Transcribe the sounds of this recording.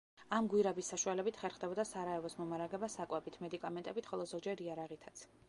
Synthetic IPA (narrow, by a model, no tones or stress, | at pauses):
amɡwiɾabisːaʃualɛbit̪ʰχɛɾχd̪ɛbɔd̪asaɾaɛvɔsmɔmaɾaɡɛbasakʼwɛbit̪ʰmɛd̪ikʼamɛnt̪ʼɛbit̪χɔlˠɔzɔɡd͡ʒɛɾiaɾaʁit̪ʰḁt̪sʰ